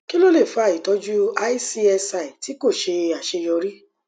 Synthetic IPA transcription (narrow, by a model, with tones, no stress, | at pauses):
ki˦lo˦le˦˨fa˧˨i˨tɔ˨˦d͡ʒu˦a˦i˦si˧˦ɛ˧sa˨i˨ti˨˦ko˦˨ʃe˧a˨ʃe˧jɔ˧ɾi˦